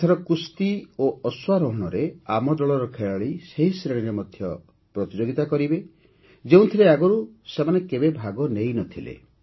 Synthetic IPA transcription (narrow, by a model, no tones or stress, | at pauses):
t̪ʰɔɾɔkust̪ioɔswaɾɔɦɔɽ̃ɔɾeamɔd̪ɔɭɔɾɔkʰeɭaɭiseɦisɾeɽ̃iɾemɔd̪ʱjɔ | pɾɔt̪id͡ʒoɡit̪akɔɾibe | d͡ʒew̃t̪ʰileaɡɔɾu | semanekebebʱaɡɔnejnɔt̪ʰilḛ